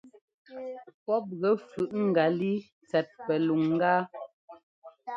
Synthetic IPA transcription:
pɔ˦p̚ɣə˨˦fʉ˨ʔŋ̩˨ɡa˨li˦ | t͡sɛ˨t̚pɛ˨lu˨ŋː˦ɡaː˦

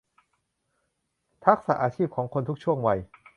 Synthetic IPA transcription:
t̪ʰa˦˥k̚sa˨˩ʔaː˧t͡ɕʰiː˥˩p̚kʰɔː˩˦ŋkʰo˧nt̪ʰu˦˥k̚t͡ɕʰu˥˩əŋwa˧j

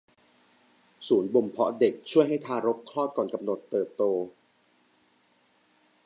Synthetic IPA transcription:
suː˩˦nbo˧mpʰɔ˦˥de˨˩k̚t͡ɕʰu˥˩əjɦa˥˩jt̪ʰaː˧ɾo˦˥p̚kʰlɔː˥˩t̪̚kɔː˨˩nka˧mno˨˩t̪ːɤː˨˩t̪ːoː˧

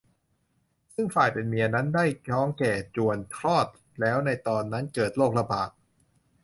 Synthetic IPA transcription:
sɯ˥˩ŋfaː˨˩jpe˧nmi˧ɐna˦˥ndaː˥˩jkʰɔː˦˥˩ŋkɛː˨˩t͡ɕu˨˩ənt̪ʰɾɔː˥˩t̪̚ | lɛː˦˥wna˧jt̪ɔː˧nːa˦˥nkɤː˨˩t̪̚loː˥˩k̚la˧baː˨˩t̪̚

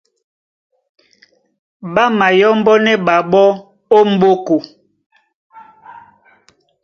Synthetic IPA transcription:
ɓa˦ma˨jɔ˦mbɔ˦nɛ˦ɓa˨ɓɔ˦ | o˦m̩˦bo˦ko˨

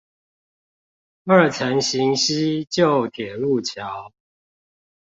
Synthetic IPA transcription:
ə˥˨t͡sʰə˨˦ŋɕi˨˦ŋɕi˦t͡ɕjo˥˨ʊt̪ʰjɛ˨˩lu˥˨t͡ɕʰja˨˦ʊ

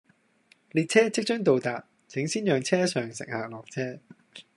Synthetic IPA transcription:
liː˨t̚t͡sʰɛː˥t͡sɪ˥k̚t͡ʃɵ˥ŋt̪̬o˨wt̪aː˨t̚ | t͡sʰɪ˨˥ŋsiː˥njœː˨ŋt͡sʰɛː˥sœː˨ŋsɪ̰˨k̚haː˨˩lɔː˨˩k̚t͡sʰɛː˥

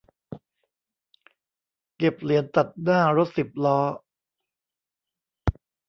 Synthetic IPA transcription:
ke˨˩p̚li˨˩˦ənt̪a˨˩t̪̚naː˥˩ɾo˦˥t̪̚si˨˩p̚lɔː˦˥

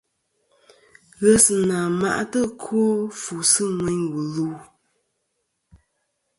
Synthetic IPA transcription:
ɣə˦sɨ˨naː˨ma̰˦ʔa˦tə˦kʰo˦fu˨sɨ˦ŋwɛ˨˦ɲwu˨lu˦

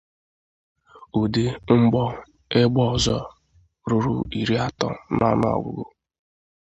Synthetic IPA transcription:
u˨de˦ŋ͡m̩˦ɡ͡bɔ˦ | e˦ɡ͡bɔ˦˨zɔ˦ | ɾʊ˦ɾʊ̰˨i˨ɾi˦a˦tɔ̰˦nɔ̰˦n˦ɔ̰˨ɡʷʊ̰˨ɡʊ˦

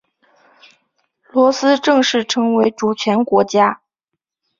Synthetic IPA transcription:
lwɔ˧˥sɹ̩˥ʈ͡ʂɤ˥˧ŋʂɻ̩˥˩ʈ͡ʂʰɤ˧˥ŋwe˧˥ɪʈ͡ʂu˨˩t͡ɕʰɥɛ˧˥nkwɔ˧˥t͡ɕja˥

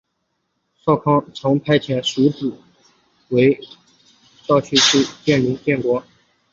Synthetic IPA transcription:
sɑ˥˧ʊkʰɑ˥˩ŋt͡sʰɤ˧˥ŋpʰa˥ɪt͡ɕʰjɛ˧˥˩nʂu˧˥t͡sɹ̩˨˩˦ | we˧˥ɪ | t͡ɕɑ˥˧ʊt͡ɕʰy˥˧ʂ̩ʰ˥˧t͡ɕjɛ˥˩nli˧˥ŋt̪jɛ˥˩nkwɔ˧˥

